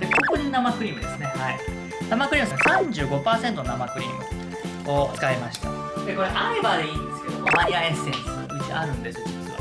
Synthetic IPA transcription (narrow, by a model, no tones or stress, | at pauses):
d̪e̞ko̞ko̞ɲinamakɯ̟ɾʲimɯ̟d̪e̞sɨne̞hai | namakɯ̟ɾʲiːmɯ̟saɡsãɲ̟d͡ʑɨːɡo̞paːse̞nt̪o̞nonamakɯ̟ɾʲḭːmɯ̟ | o̞t͡sɨ̥kaemaɕi̥t̪ḛ | d̪eko̞ɾeʔaɾebad̪eĩːnd̪esɨ̥ke̞d̪o̞̰ʔomaɲʲiaesɨeɲt̪o̥kaɲid͡ʑḭʔa̰ɾɯ̟̃nd̪est̪es